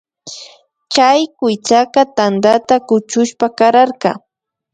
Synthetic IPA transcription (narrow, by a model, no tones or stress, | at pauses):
t͡ʃajkʊjt͡ʃakɑt̪and̪at̪akʊt͡ʃʊʃpakaɾaɾqɑ̰